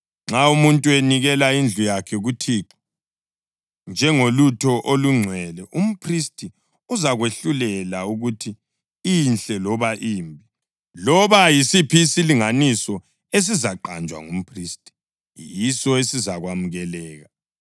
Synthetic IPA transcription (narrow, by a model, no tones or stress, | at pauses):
ŋ͡ǁaumuntʼueniɣɛlaind͡ɮʱujakʰɛɣutʰiǃɔ̥ | nd͡ʒʱɛŋolutʰɔʔoluŋ͡ǀʱwɛlɛʔum̩pʰristʰʼi | uzaɣweɬulɛlauɣutʰiː | nɬʼɛlɔβaʔiːmbʱi | lɔβajisipʰisiliŋanisɔ | es̬izaǃand͡ʒʱwa̰ŋum̩pʰriːstʼi̥ | jisɔesizaɣwamuɣɛlɛːɣa